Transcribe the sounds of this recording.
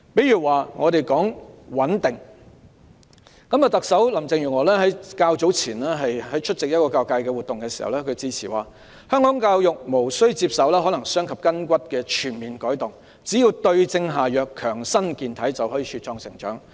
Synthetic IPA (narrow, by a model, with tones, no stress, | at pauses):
pe˨˥jɥyː˨˩waː˨˩ŋɔː˨˧ɾe˨jkɔː˨˥ŋwɐ˨˥nt̪ɪ˨˩ŋ | kɐ˨˥mjɐ˨˩t̪ɐ˨k̚sɐ˨˥wlɐ˨˩mt͡sɪ˨˧ŋjyː˨˩ŋɔː˨˧lɛː˥ɦɐ˨˥jkaː˧wt͡so˨˥wt͡sʰiː˨˩nlɛː˥ɦɐ˨jhɐ˨˥jt͡ʃʰɵ˥t̚t͡sɪ˨k̚jɐ˥t̚kɔː˧kaː˧wkaː˧jkɛ˧wuː˨t̚t̪ʊ˨ŋkɛː˧siː˨˩hɐ̰˨wlɛː˥kʰɵ˨˧ɥt͡siː˧t͡sʰiː˨˩wa̰ː˨ | hœː˥ŋkɔː˨˥ŋkaː˧wjʊ˨k̚mo˨˩wsɵ˥ɥt͡siː˧p̚sɐ˨˧wlɛː˥ɦɔ˨˥nɐ˨˩ŋsœː˥ŋkʰɐ˨p̚kɐ˥nkʷɐ˥t̚kɛː˧t͡ʃʰyː˨˩nmiː˨˩nkɔː˨˥jt̪ʊ˨ŋ | t͡si˨˥jiː˧wt̪ɵ˧ɥt͡sɪ˧ŋɦaː˨jœː˨˩kʰːœː˨˩ŋsɐ˥nkiː˨˩nt̪ʰɐ˨˥jt͡sɐ˨whɔː˨˥jiː˧t͡ʃʰyː˨˧t̚t͡ʃɔː˧ŋsɪ˨˩ŋt͡ʃœ̰ː˨˥ŋ